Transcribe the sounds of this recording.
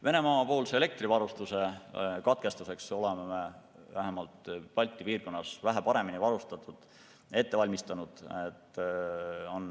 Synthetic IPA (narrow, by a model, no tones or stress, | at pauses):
ve̞ne̞mɑːpoːlseele̞k̚t̪rivɑɾust̪use̞kɑt̪̚ke̞st̪use̞kso̞lememe | væɦemɑlt̪pɑlʲt̪ʲːˑipiːrɡo̞nːɑsvæɦæpɑɾe̞minivɑɾust̪ɑt̪ːˑud̪̥ | e̞t̪ːe̞vɑlʲmist̪ɑnud̪̥et̪ː | o̞n